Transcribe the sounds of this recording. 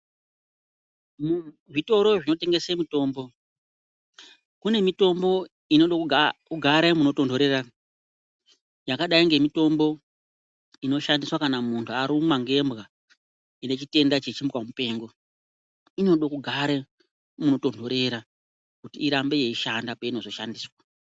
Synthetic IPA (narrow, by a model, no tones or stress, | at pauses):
m | ʐito̞ɾo̞ʐino̞te̞ŋɡesemito̞ːmbo̞ | kune̞mito̞mbo̞ | ino̞ɗokkuɡʱaɾemuno̞to̞ndʱoɾe̞ra | jakaɗaiŋɡe̞mito̞mbo̞ | ino̞ʃandiswakanamuntʰuaɾumaŋɡe̞mbɣa | ine̞t͡ʃite̞ndat͡ʃet͡ʃimkwamupe̞ːŋɡo̞ | ino̞ɗokuɡʱaɾe | muno̞to̞ndʱo̞ɾe̞ɾa | kutiːɾambe̞je̞iʃandapaino̞zo̞ʃandiːswa